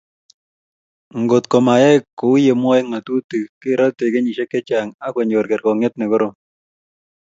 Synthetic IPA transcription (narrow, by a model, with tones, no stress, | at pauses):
ŋɡo˨tko˨ma˨jɛ˦kːo˨u˦je˨mwɔ˦e˦ŋma˨tu˦ti˨ke˦ɾɔ˦te˨ke˦ɲi˨ʃe˦kːe˦t͡ʃa˨ŋa˦kwe˨ɲd͡ʒo˨ɾkɛ˨ɾkɔ˨ŋe˦tnɛ˨ko˦ɾo˦˨m